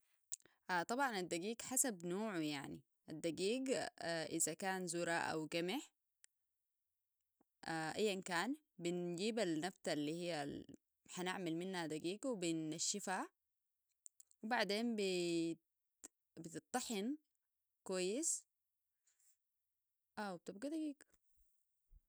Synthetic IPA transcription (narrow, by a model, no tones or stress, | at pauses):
ʔat̪ˤɑbʕɑnad̪ːaɡiːɡħasabnoːʕujaʕnḭ | ʔad̪ːaɡiːɡʔizakaːnzuɾˤaʔa̰wɡamɪħ | ʔaʔajːankaːn | bind͡ʒiːbalnaft̪alːiːhijːa | ħanaʕmalminːhad̪aɡiːɡwibinːaʃːifha | wibaʕd̪eːnbi | bit̪ɨt̪ˤːɑħɪn | kwajːis | ʔawb̚t̪ɪb̚ɡad̪aɡiːɡ